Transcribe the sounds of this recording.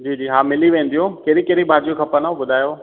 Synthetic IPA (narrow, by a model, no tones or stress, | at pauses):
d͡ʑiːd͡ʑiːɦãːmɪliʋẽːn̆d̪ijõkeɦɾikeɾibʱaːd͡ʑijokʰɐpənabʊd̪ʱaːjoː